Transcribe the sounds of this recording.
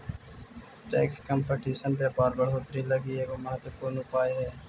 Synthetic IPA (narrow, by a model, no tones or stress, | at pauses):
ʈɛːkskəmpeʈiːsənbeːpaːɾbəɽɦot̪ɾiləɡieːkoːməɦət̪wəpuːɾnʊpaːeɦɛː